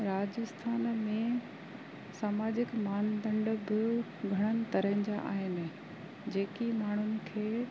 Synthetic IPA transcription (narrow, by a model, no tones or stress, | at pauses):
ɾaːd͡ʑəst̪ʰaːnmẽ | saːmaːd͡ʑɪkmaːnd̪ɐ̃ɳɖəbɪ | ɡʱɐɽ̃ənɪ̆t̪ɐɾəɦɪ̃d͡ʑaʔa̰ːɦɪnɪ̆ | d͡ʑeːkimaːɳ̤ʊnɪ̆kʰeː